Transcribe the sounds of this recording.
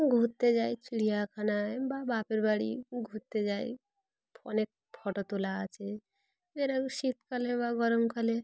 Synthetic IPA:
ɡʱut̪ːed͡ʒajt͡ʃiɽijakʰanababapeɾbaɽḭɡʱut̪ːed͡ʒaj̰ | pʰɔ̰nek̚ | pʰɔʈot̪ulaːt͡ʃe | meɾausit̪kɔlebaɡɔɾəmkəle

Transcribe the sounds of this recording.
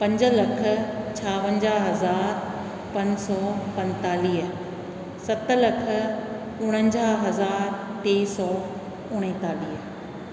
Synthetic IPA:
pɐ̃ɲd͡ʑə̆lɐkʰə̆t͡ɕʰaːʋə̃ɲd͡ʑaːɦɐzaːɾ | pɐ̃ɲsɔːpɐ̃nt̪aːliːɦə | sɐt̪ə̆lɐkʰə̆ | ʊɽ̃ə̃ɲd͡ʑaːɦɐzaːɾt̪eːsɔː | ʊɽ̃ẽt̪aːliːɦə

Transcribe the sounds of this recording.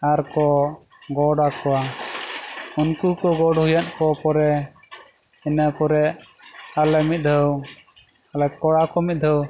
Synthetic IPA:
aɾkɔ | ɡɔɽakɔwa | unkuɾkɔɡɔɽhujankɔpɔɾɛ | ɛnapɔɾɛ | alɛmit̪̚d̪ʱəw | alɛkɔɽakɔmit̪̚ˀd̪ʱəw

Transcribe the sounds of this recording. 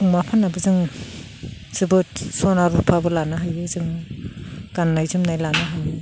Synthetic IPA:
uŋmapʰanabɯzɯŋ | z̥ɯbɯt̚sɔnaɾupʰabɯlanaɦajbɯzɯŋ | ɡ̥anːajzumnajlanaɦajbi

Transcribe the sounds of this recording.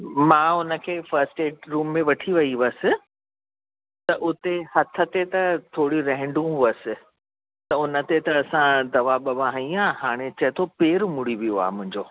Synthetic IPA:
mãːʊnə̆kʰeːfɐɾsʈeːʈɾuːmːẽʋɐʈʰiʋɐiʋəsɪ̆ | t̪ɐʔʊt̪ehɐt̪ʰə̆t̪et̪ɐt̪ʰoːɽiɾɛ̃ɦɪ̃ɳɖũɦuəsɪ̆ | t̪ɐʊnə̆t̪et̪ɐːsãd̪ɐʋabɐʋãɦĩãːhaːɽ̃et͡ɕɐt̪ʰopeːɾmʊɽ̤iʋijoa̰ːmʊ̃ɦɪ̃ɲd͡ʑoː

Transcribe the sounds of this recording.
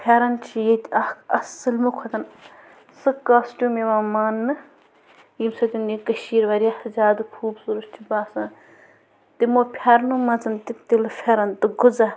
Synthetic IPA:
pʰʲaːɾɐnt͡ʃʰijet̪ʲɐhkɐsɨlmukʷʰɐt̪ɐn | sɨkaːsʈʲuːmeʋaːmaːnːɨ | jimsɐt̪ʲunikɐʃiːɾʋɐɾiahzʲaːd̪kʰuːbsuɾuʃt͡ʃʰibaːsɐ | t̪imopʰʲaɾnumɐt͡sɐnt̪it̪ilɨfʰʲaɾɐnt̪ɨɡud͡zɐ

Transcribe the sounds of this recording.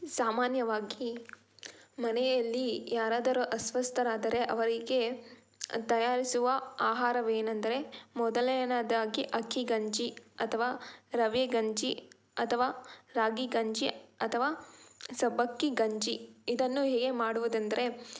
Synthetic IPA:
saːmaːnjɐʋaːɡi | mɐnejɐlːijaːɾaːd̪ɐɾuʔɐsʋɐst̪ʰɐɾaːd̪ɐɾe̞ʔɐʋɐɾiɡe̞ | t̪ɐjaːɾisuʋɐaːɦaːɾɐʋeːnɐnd̪ɐɾe̞mɔd̪ɐlɐjnad̪aːɡiʔɐkʰːiɡɐɲd͡ʒiɐt̪ʰɐʋaːɾɐʋjeɡɐɲd͡ʒi | ɐt̪ʰɐʋaːɾaːɡiɡɐɲd͡ʒiɐt̪ʰɐʋaːsɐbɐkːiɡɐɲd͡ʒiid̪ɐnːuɦeːɡe̞maːɽuʋud̪ɐnd̪ɐɾe̞

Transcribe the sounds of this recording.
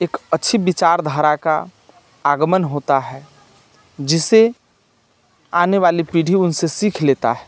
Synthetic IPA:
eːkətːʃʰibɪt͡ʃaːɾd̪ʱaːɾaka | aːɡəmənɦoːt̪aɦɛː | d͡ʒɪse | aːneʋaːlipiːɽ̤ʱiʊnsesiːkʰleːt̪a̰ɦɛː

